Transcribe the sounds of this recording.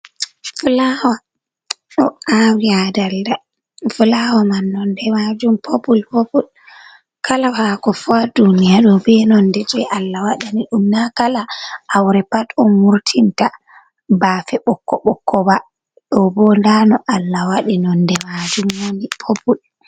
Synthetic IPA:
flawa | ɗɔawiadalda | fulawamanːɔndɛmad͡ʒumpʰobulpobul | kʰalawakɔfadunijaɗɔbɛnɔndɛd͡ʒɛʔalːawaɗaniɗumnakalaʔːwɾɛpatɔnmuɾtʰinta | baːfɛɓɔkːɔɓɔkːɔba | ɗɔbɔndanɔʔalːawaɗinɔndɛmad͡ʒumwonipʰopul

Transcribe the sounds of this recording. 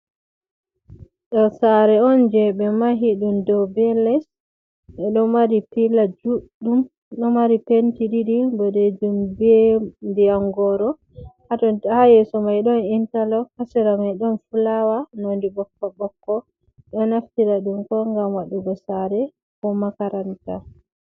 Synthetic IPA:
ɗɔsaɾɛɔnd͡ʒɛbɛmaɦiɗumdɔbɛlɛs | ɓɛɗɔmaɾipilad͡ʒuɗum | ɗɔmaɾipentiɗiɗibɔdɛd͡ʒumbɛndiaŋɡɔɾɔ | hatɔhajɛsɔmajɗɔnintalɔkasɛɾamajɗɔnfulawanondibɔkːɔbɔkːɔ | ɗɔnaftiɾaɗumkɔŋɡamwaɗːuɡɔsaɾɛ | kɔmakaɾanta

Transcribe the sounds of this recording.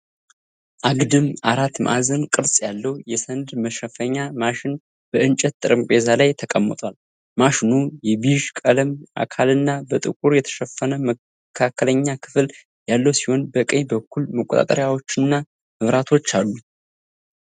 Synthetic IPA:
ʔaɡd̪ɨmaɾat̪mʔa̰zənkʼɨɾsʼjalːəwjɛsənd̪məʃəfəɲːamaʃɪn | b̥əʔɨnt͡ʃʼɛt̪ːʼɨɾɨmpʼe̞zalajt̪ʰəkʼəmːət̪ʼwal | maʃɪnujɛbiʒkʼələma̰kʰalɨnːabət̪ʼɨkʼuɾjɛt̪ʰə̥ʃəfːənəm | kʰakʰːələɲːakʰɨ̥fl | jalːəwsiho̞nbəkʼəɲbəkʰːulməkʼot̪ʼa̰t̪ʼə̰ɾjawo̞t͡ʃːɪnːa | ɨβɾat̪ʰo̞t͡ʃːalːu

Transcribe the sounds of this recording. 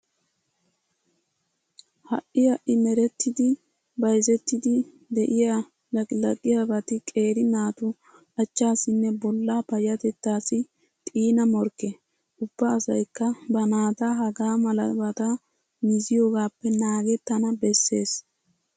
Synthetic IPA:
hɐ̰ʔɪjɐʔɪmɛɾɛt̪ːɪd̪ɪ | bɐjzɛt̪ːɪd̪ɪ | d̪ɛʔɪja | lɐkʼlɐkʼːɪjabɐt̪ɪkʼe̞ːɾɪnaːt̪ʊ | ʔɐt͡ʃːaːsɪnːɛbɔlːaːpɐjɐt̪ɛt̪ːaːsɪ | t̪ʼiːnɐmɔɾkːɛ | ʔʊb̥ːɐːsɐjkːɐbɐnaːt̪ɐɦɐɡaːmɐlɐbɐt̪a | mɪzɪjo̞ːɡaːpːɛnaːɡɛt̪ːɐnɐbɛsːe̞ːs

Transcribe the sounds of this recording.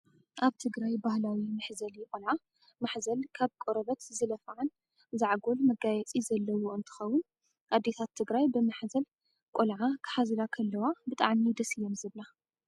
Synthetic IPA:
ʔaβt̪ʰɨɡɾajbahlawimɨħzɐljɪkʼolʕa | maħzɐlkʰaβkʼoɾɐβɐt̪zɨlɐfʕan | zaʕɡo̞lmɐɡajɛt͡sʼizɐlːɐwoɨnt̪ʰɨ̥xɐwːʊn | ʔad̪ːet̪ʰat̪ʰːɨɡɾajbɨmaħzɐl | kʼolʕakʰɨ̥ħazɨlakʰɐlːɐwabɨt̪ʼa̰ʕmid̪ɐsɨjːomzɨβla

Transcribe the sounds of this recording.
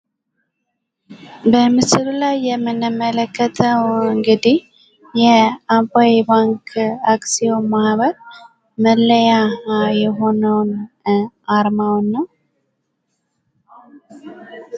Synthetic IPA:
bəmɨsɨlulajːɛmːɨnɨmələkːət̪ʰəwɨŋɡɨd̪ih | jɛampaebaŋkʰaksio̞mahβəɾ | məlːəjajɛɦo̞nəwn | aɾmawnːəw

